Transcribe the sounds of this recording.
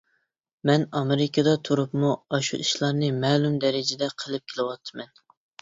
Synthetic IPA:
mɛnɑmɪɾɪkʰɑd̪ɑt̪ʰuɾupmuɑʃṵʔiʃlˠɑɾnɨmɛːlˠumd̪ɛɾɪd͡ʒɪd̪ɛqʰəlˠɨp̚kʲʰelˠɨwɑt̪ʰːɨmɛn

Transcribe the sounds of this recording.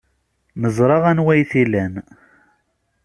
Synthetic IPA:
məzˤɾˤɑʁænwæjθilæn

